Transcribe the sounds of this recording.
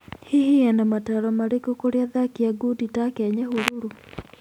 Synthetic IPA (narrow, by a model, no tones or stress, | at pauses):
hihiɛnamataɾɔmaɾekokoɾeaðakiaɡuditakɛɲɛhuɾuɾu